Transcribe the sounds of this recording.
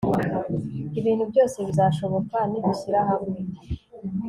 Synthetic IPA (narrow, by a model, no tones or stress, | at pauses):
iβiːn̤̥hubjo̞ːse̞βizaːʃo̞βo̞kwaniɡusiɾaɦamŋe